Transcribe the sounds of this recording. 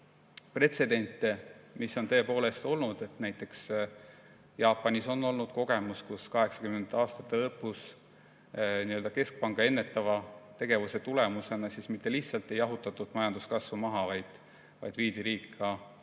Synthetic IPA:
pre̞t̪se̞d̪̥e̞nʲt̪ːˑemisːo̞nt̪ɤ̞epo̞ːle̞st̪o̞lnud̪̥e̞t̪næjt̪ːˑe̞ks | jɑːpːˑɑnʲiso̞nːo̞lnud̪̥ko̞ɡ̥e̞muskuskɑɦe̞ksɑ̥kymend̪ɑːst̪ɑ̥t̪ːˑelɤpːˑus | niø̞ld̪ɑke̞sk̚pɑŋɡ̥ɑe̞nːe̞t̪ːˑɑvɑt̪e̞ɡ̥e̞vuse̞t̪ule̞muse̞nɑsiːsmit̪ːe̞liçht̪sɑlt̪ːˑe̞jɑɦut̪ːˑɑt̪ːˑud̪mɑjɑnd̪uskɑsvumɑɦɑvɑjd̪̥ | vɑ̰jd̪̥viːd̪iɾiːkːˑɑ

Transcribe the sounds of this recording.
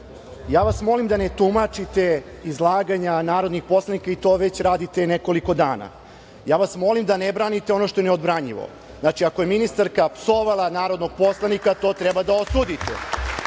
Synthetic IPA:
jaːʋasmo̞limd̪anet̪umat͡ʂit̪e̞ | izlˠaːɡaɲanaːɾo̞d̪nixpo̞slˠanikait̪o̞ːʋe̞t͡ɕɾaːd̪it̪eneko̞liko̞d̪aːna̰ | jaːʋasmo̞limd̪anebɾaːnit̪e̞o̞no̞ʃt̪o̞jeneod̪bɾaɲḭʋo̰ | znat͡ʃiako̞jeminist̪aɾkapsoʋalˠanaːɾo̞d̪no̞ɡ̚po̞slˠanikat̪o̞ːt̪ɾɛbad̪aosud̪it̪ḛ

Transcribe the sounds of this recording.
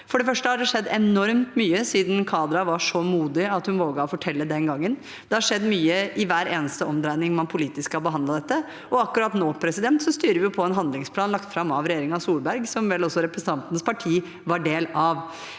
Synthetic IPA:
fɔɖɛfœʂʈəhɑɖɛʂɛd̪ːɛnɔɾmt̪myːəsiːd̪n̩kʰɑːd̪ɾɑʋɑʂɔmuːd̪ɪɑt̪hʉnʋoːɡɑɔfɔʈʰɛlːəd̪ɛnɡɑŋːən | d̪̥ɛhɑɾʂɛd̪ːmyːəʔɪʋæːɾeːnəst̪əɔmd̪ɾæɪnɪŋmɑnpʰʊliːt̪ɪskːɑbəɦɑnd̪lɑd̪ɛt̪ːə | ʔɔɑkːʉɾɑt̪noːpʰɾɛsɪd̪ɛnt̪sɔst̪yːɾəʋɪʊpʰɔɛnɦɑnd̪lɪŋspʰlɑːnlɑkt̪fɾɑmɑʋɾɛjeːɾɪŋɑsuːlbæɾɡsɔmʋɛlɔsːɔɾɛpɾəsn̩t̪ʰɑnt̪ənəspɑʈʰiː | ʋɑɖeːlɑʋ

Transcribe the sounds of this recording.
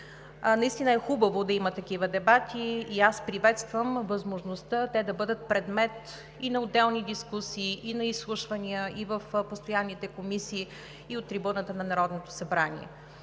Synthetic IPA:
nɐist̪inəɛxubəvod̪ɐimət̪ɐkivəd̪ɛbat̪ʰiːaspɾivɛt̪st̪vəmvɐzmoʒnost̪ət̪ɛd̪ɐbɤd̪ət̪̚pɾɛd̪mɛt̪ | inɐod̪ːɛlˠnid̪iskusiːʔinɐislˠuʃvɐniəʔivəfpost̪ojanːit̪ɛkomisiː | iot̪ːɾibunət̪ənɐnɐɾɔd̪not̪o̥sɐbɾanʲḭɛ̰

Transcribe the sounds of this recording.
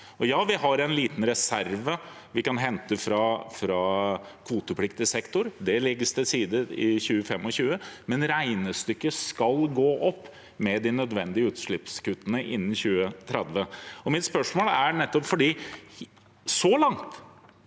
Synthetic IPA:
ɔjɑːʋɪhɑɾɛnliːt̪n̩ɾɛsæɾʋə | ʋɪkɑnɦɛnt̪əfɾɑfɾɑkʰʋuːt̪əpʰlɪkt̪ɪsɛkt̪ʊɾd̪ɛlɪɡːəst̪ʰɪsiːd̪əɪ̰çʉːəfɛmːɔɕʉːəmɛnɾæɪnəst̪ʏkːəskɑlɡoːʔɔpː | mɛd̪ɪnœd̪ʋɛnd̪ɪəʉːt̪ʂɭɪpskʉt̪ːənəʔɪ̰nːnçʉːət̪ʰɾɛd̪ʋəɔmɪt̪spœʂmoːlæɳɛt̪ːɔpfɔɖiː | sɔlɑŋt̪

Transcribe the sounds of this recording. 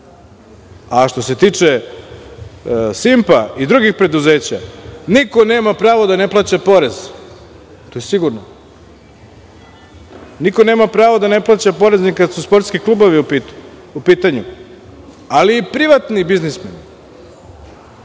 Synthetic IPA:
aʃt̪o̞se̞t̪iːt͡ʂe | simpaid̪ɾuɡixpɾe̞d̪uze̞ːt͡ɕa̰niko̞ne̞ːmapɾaːʋod̪ane̞plˠaːt͡ɕapo̞ɾez | t̪ojesiɡuɾno | nikone̞ːmapɾaːʋod̪ane̞plˠaːt͡ɕapo̞ɾe̞znikad̪suspo̞ɾt̪skiklˠubo̞ʋiupi | upiːt̪aɲu | aliːpɾiʋat̪nibiznismen

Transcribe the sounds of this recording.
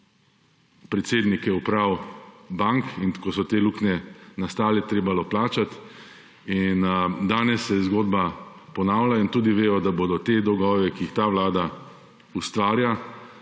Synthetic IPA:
pɾɛt̪seːd̪nikjɛupɾawbaŋkinkɔsɔt̪eːluːknɛnast̪aːlɛt̪ɾeːbalɔplaːt͡ʃat̪ | ind̪aːnɛsːɛzɡoːd̪ba | pɔnaːwlaint̪uːd̪iʋeːjɔd̪aboːd̪ɔt̪eːd̪ɔɡɔːʋɛkiixt̪aʋlaːd̪a | ust̪ʋaːɾja

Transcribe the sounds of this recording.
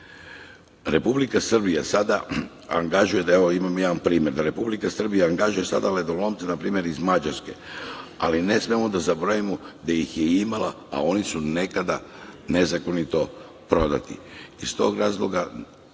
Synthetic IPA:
ɾe̞publikasr̩bijasad̪a | a̰ŋɡaʒuje̞d̪aeʋo̞imamojaːʋanpɾiːmʲje̞ɾd̪aɾe̞publikasr̩bijaaŋɡaʒuje̞sa̰d̪aled̪olˠo̞mt̪senapɾiːmje̞ɾizmad͡ʑaɾske̞a̰line̞smiemod̪azaboɾajimod̪ejixjeimala | a̰o̞nisune̞kad̪ane̞zako̞nit̪o̞ | pɾo̞d̪a̰t̪ḭist̪o̞̰ːɡɾaːzlˠo̞ɡa

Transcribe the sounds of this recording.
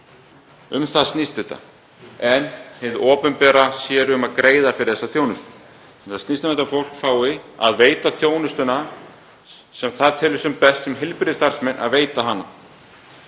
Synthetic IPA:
ʏmθaðst̪nist̪ɪt̪a̰ | ɛnheðʔɔːpʏnpɛːɾasjɛːɾʏmaðkɾeːjðafɪɾɪ̥ɾθɛsːaθjownʏst̪ʏ̥ | mθaðsnist̪amɛt̪afowl̥kfaːwɪa̰ðveːjt̪aθjoːwnʏst̪ʏna | sɛmθaðt̪ʰɪːlʏsɛmpɛst̪sɛmɦɪlpɾɪðɪst̪ar̥smɛnʔa̰ðveːjt̪aɦanːa

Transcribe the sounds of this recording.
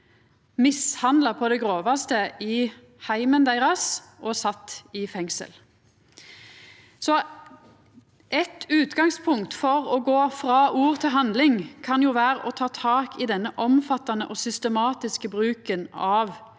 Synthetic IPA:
mɪshɑnd̪lɑpʰɔd̪ɛɡʁoːʋɑst̪əi | hæɪmənd̪æɪʁɑs | ʔɔsɑt̪ːɪfɛŋsə̰l | sɔ | ʔɛt̪ʉːt̪ɡɑŋspʰʊŋkt̪fɔʁɔɡoːfʁɑːʔuːʁt̪ʰɪlɦɑnd̪lɪŋkʰɑnjuːʋæːʁəʔɔt̪ʰɑːt̪ʰɑːkɪd̪ɛnːəʔɔmfɑt̪ːɑnəʔɔsʏst̪əmɑːt̪ɪskəbʁʉːkənɑʋ

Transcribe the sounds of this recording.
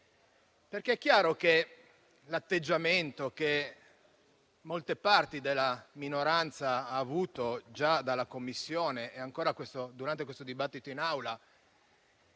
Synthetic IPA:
perk̟eɛkːjaːɾok̟e | lat̪ːed͡ʒːament̪oke | molt̪epart̪id̪elːaminoɾant̪saaːvuːt̪od͡ʒad̪alːakomːisːjoːneɛaŋkoːɾakwest̪od̪uɾant̪ekwest̪od̪ibat̪ːit̪oinawla

